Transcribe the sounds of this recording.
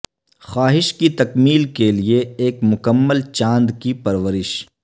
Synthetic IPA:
xaːɦɪʃkit̪ɐkmiːlkelieeːkmʊkəmːəlt͡ʃãːnd̪kipɐɾʋəɾɪʃ

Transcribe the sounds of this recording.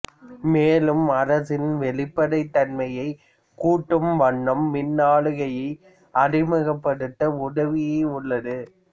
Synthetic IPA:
meːlɯmɐɾɐsɪnʋɛɭɪpːɐɽɐɪt̪ːɐnmɐjɐɪ | kuːʈːɯmʋɐɳːɐmːɪnːaːɭɯɣɐjɐɪ | ɐrɪmɐɣɐpːɐɽɯt̪ːɐʊɽɐʋɪjeːʊɭːɐðɯ

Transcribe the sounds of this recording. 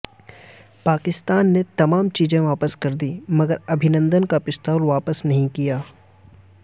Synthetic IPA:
paːkɪst̪aːnːet̪ɐmaːmt͡ʃiːzẽʋaːpəskɐɾd̪iːmɐɡəɾɐbʱɪnə̃nd̪ənkapɪst̪aːlʋaːpəsnɐɦĩkijaː

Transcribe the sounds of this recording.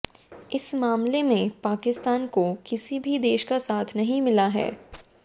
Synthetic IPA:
ɪsmaːmlemẽpaːkɪst̪aːnkokɪsibʱid̪eːʃkasaːt̪ʰnɐɦĩmɪlaɦɛ̰ː

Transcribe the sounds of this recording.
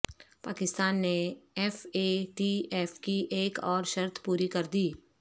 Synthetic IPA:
paːkɪst̪aːnːeɛːfeʈiɛːfkiʔeːkɔːɾʃɐɾt̪ʰpuːɾikɐɾd̪iː

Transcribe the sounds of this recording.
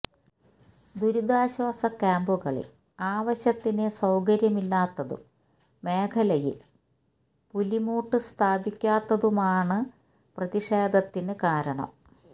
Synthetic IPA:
d̪uɾud̪aːɕwaːsɐkaːmbuɣɐɭḭl | aːʋɐɕjɐt̪ːinesɐwkɐɾjɐmilːaːt̪ːɐðṵm | me̞ːkʰɐlɐjḭl | pulimuːʈːɨst̪ʰaːbikʲːaːt̪ːɐðumaːɳɨ | prɐðiʂeːd̪ɐt̪ːinɨkaːɾɐɳɐ̰m

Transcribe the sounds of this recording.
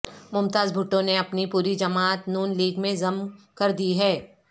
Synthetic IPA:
mʊmt̪aːzbʱʊʈːõneɐpnipuːɾid͡ʒɐmaːt̪nuːnliːɡmẽzɐmkɐɾd̪iɦɛː

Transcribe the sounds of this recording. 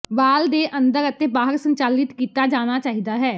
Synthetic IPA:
ʋaːld̪eːʔə̃nd̪əɾət̪eːbaːɦəɾsə̃ɲt͡ʃaːlɪt̪kiːt̪ad͡ʒaːnat͡ʃaːɦid̪aːɦɛː

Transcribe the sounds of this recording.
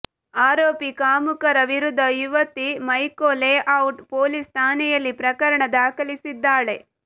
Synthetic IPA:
aːɾoːpikaːmukɐɾɐʋiɾud̪ʱːɐjuʋɐt̪ːimɐjkoːleʔɐwʈpoːlist̪ʰaːnɛjɐlːipɾɐkɐɾɐɳɐd̪aːkɐɭisid̪ːaːɭe̞

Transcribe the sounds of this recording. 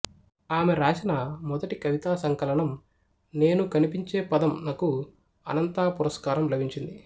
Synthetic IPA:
aːmeɾaːt͡ʃɐnɐmɔd̪ɐʈikɐʋit̪aːsɐŋkɐlɐɳɐm | ne̞ːnukɐnipiɲt͡ʃeːpɐd̪ɐmnɐku | ɐ̰nɐnt̪aːpuɾɐskaːɾɐmlɐbʱiɲt͡ʃind̪i

